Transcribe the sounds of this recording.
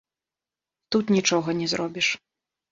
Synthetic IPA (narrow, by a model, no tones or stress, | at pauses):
t̪ut̪nʲit͡ʂɔɣɐnʲɛzɾɔbʲiʂ